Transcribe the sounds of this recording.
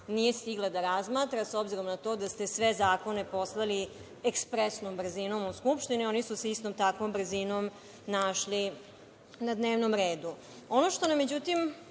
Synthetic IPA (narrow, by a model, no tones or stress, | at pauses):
nije̞st̪iɡlad̪aɾazmaːt̪ɾaso̞bziɾo̞mnat̪o̞ːd̪ast̪e̞sʋe̞zaːko̞ne̞po̞slˠali | ekspɾesnombr̩zino̞muskupʃt̪inio̞nisusist̪omt̪akʋombr̩zinom | naːʃli | nad̪neːʋnomɾeːd̪u | o̞noʃt̪o̞namːed͡ʑut̪im